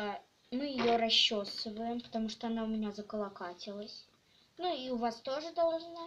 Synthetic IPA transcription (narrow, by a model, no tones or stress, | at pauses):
mɨjɪjoɾɐɕːosɨvəjɪmpə̥t̪ɐmuʂt̪oɐnaʊmʲɪnʲazəkəlˠɐkatʲɪlˠəsʲ | nuiʊvast̪o̞ʐɨd̪ɐlˠʐna